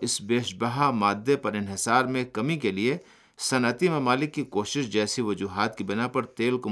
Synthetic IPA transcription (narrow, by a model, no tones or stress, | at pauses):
ɪsbeːʃbɐɦamaːd̪ʱjepɐɾɪ̃nɦɪsaːɾmẽkɐmikelie | sɐnət̪imẽmaːlɪkːikoːʃɪʃd͡ʒɛːsiʋɐd͡ʒuːɦaːt̪kibɪnapɐɾt̪eːlko